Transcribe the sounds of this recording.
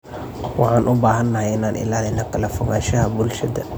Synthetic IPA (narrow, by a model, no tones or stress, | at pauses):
wʔɑħɑːnʔʊbaːɦɐnːɐɦɐjɪnaːnʔɪ̰laːlɪnɐkʰɐlɐfʊɣaːʃɐɦɐbʊlʃɐd̪ɐ